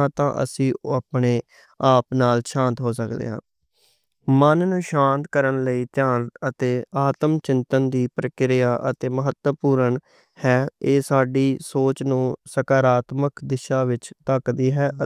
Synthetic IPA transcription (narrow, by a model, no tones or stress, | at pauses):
at̪ã̰ːʔə̰sĩːapɳeː | aːpnaːlʃãːnt̪ɦoːs̬əkd̪ḛːɦã̰ː | mənnũːʃãːnt̪kəɾənləiːt̪ɪjaːnət̪eːaːt̪əmt͡ʃɪ̃nt̪ənd̪iːpɾəkɪɾɪjaːʔət̪eːməɦət̪ːəpuːɾəɳ | hɛːeːsaːɖiːsoːt͡ʃnũːsəkaːɾaːt̪məkd̪ɪʃaːʋɪt͡ʃt̪əkd̪iːɦɛː